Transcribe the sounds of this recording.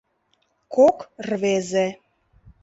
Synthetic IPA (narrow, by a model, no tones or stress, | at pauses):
kokrβeze